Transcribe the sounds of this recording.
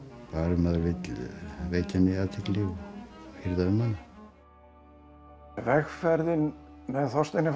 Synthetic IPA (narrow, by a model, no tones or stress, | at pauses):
paːɾɪmaðɾvɪt̪veːjt̪ɪnːɪat̪ʰɪklɪɣhɪɾðaʏmːanːɪ | vɛxfɛɾðɪnmɛðθɔst̪enːɪf